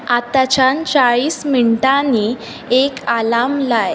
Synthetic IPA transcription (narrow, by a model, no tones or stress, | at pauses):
at̪at͡ɕant͡ɕaɭiːsmiɳʈaniː | ekalamlaj